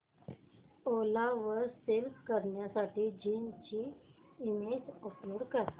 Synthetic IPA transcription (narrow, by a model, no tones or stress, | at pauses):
olaʋəɾselfkəɾɳjasaʈʰiːd͡ʑint͡ɕi | imed͡ʑəploɽkəɾt̪